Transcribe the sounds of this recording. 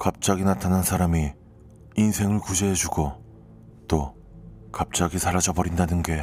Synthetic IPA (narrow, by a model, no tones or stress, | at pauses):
kap̚t͡ɕ͈aɡinatʰanansʰaɾami | insʰe̞ŋɯɭkud͡ʑeɦed͡ʑuɡo | t͈o | kap̚t͡ɕ͈aɡisʰaɾad͡ʑʌbʌɾindanɯnɡe̞